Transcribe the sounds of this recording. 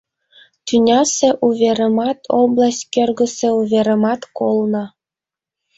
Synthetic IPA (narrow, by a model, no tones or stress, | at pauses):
t̪ynʲɑsĕʔuβʲeɾĕmɑt̪ʰoblˠɑsʲkʲørɡə̆sĕuβʲeɾĕmɑt̪kolˠnɤ̆